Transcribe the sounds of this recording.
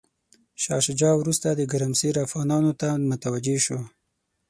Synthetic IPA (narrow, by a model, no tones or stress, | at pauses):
ʃɑ̰ʃd͡ʒɑwɾust̪ad̪əɡaɾamsiɾafɣɑnɑnot̪amʊt̪awad͡ʒeʃo